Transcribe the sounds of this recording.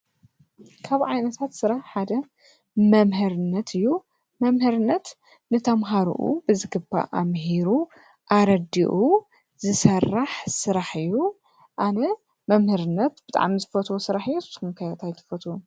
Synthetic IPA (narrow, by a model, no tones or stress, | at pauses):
kʰaβʕajnɐt̪ʰat̪sɨɾaħħad̪ɐ | mɐmhɨɾɨnːɐt̪ʰɨjːu | mɐmhɨɾɨnːɐt̪ | nɨt̪ʰɐmɦaɾṵʔṵbɨzɨɡɨba̰ʔamɦiɾu | ʔaɾɐd̪ḭʔu | zɨsɐrːaħsɨɾaħɨjːu | ʔanɐ | mɐmhɨɾɨnːɐt̪bɨt̪ʼa̰ʕmizɨfot̪ʰwosɨɾaħɨjːusɨskumkʰajat̪ʰajt̪ʰɨ̥fot̪ʰwu